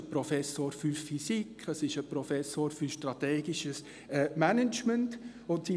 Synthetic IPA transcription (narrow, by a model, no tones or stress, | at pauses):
əpɾɔfɛsoːɾfyɾfisikʰəsɪʃəpɾɔfɛsoːɾfyʃtrɑt̪ɛːɡiʃəs | ɛːmænət͡ʃmənt | ʊntsi